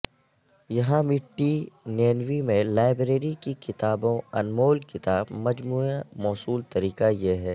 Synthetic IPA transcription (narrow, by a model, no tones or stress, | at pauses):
jɐɦãmɪʈːineːnʋimẽlaːɪbɾeːɾikikɪt̪aːbõɐ̰nmoːlkɪt̪aːbmɐd͡ʒmuːamɔːsuːlt̪ɐɾiːkajeɦɛː